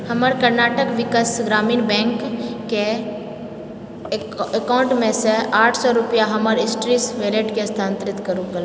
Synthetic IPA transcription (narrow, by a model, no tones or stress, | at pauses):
hɐməɾkəɾnaːʈəkʋɪkəsɡɾaːmiːnbɛ̃ːŋkː | e | ekaːʊ̃ɳʈmẽseaːʈʰsɔɾʊpijaɦɐməɾɪsʈɾisʋeleːʈkest̪ʰãːnt̪ɾɪt̪kəɾũkəl